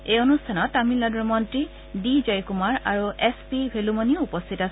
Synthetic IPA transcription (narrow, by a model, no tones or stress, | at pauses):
ejonustʰanɔtːamilːaduɹmɔntɹi | dizɔjkumaɹaɹuʔɛspibʱelumɔniʊupɔstʰitas